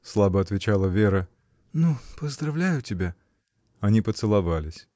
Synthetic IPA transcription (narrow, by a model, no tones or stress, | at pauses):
slˠabəɐt̪vʲɪt͡ɕalˠəvʲeɾə | nupəzd̪ɾɐvlʲæjʊtʲɪbʲa | ɐnʲipət̪sɨlˠɐvalʲɪsʲ